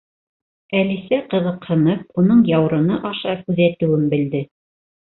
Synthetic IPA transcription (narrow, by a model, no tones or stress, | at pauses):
ælisæqɤ̆ðɤ̆qhɤ̆nɤp̚unɤɴjɑwɾɤ̆nɤʔɑʃɑkʉðæt̪ɘ̆wɘmbɘ̆ld̪ɘ